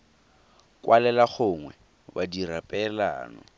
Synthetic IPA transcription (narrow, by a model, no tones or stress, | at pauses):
kʼwʔalɛlaχʊŋwɛ | badirapʼɛla̰ːnɔ̰